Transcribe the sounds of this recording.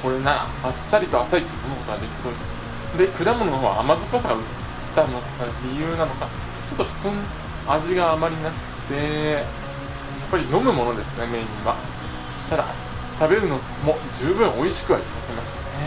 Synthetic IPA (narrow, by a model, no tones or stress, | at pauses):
ko̞ɾe̞naɾa̰hasːaɾʲit̪o̞asait̪ʲːikomɯko̞t̪oɡad̪e̞kʲi̥so̞ːd̪esɨ | d̪e̞kɯ̟ɾamonono̞ɦoːɡa̰ːmazɨpasaɡaɯ̟t͡sɨ̥tt̪ːanokkad͡ʑijɯ̟ːnano̞ka | t͡ɕo̞t̪ːo̞ɸɯ̟̥t͡sɨːno | aʑiɡaːmaɾʲinakɯ̥̟ɯ̥t̪e̞ | japːaɾʲino̞mɯ̟mo̞no̞d̪e̞sɨneme̞ːɲʲĩβa | t̪ad̪a̰ | t̪abe̞ɾɯ̟no̞ | mo̞d͡ʑɨːbɯ̟̃ɰ̃ʔo̞iɕi̥kɯ̟βait̪at̪emaɕi̥t̪aane̞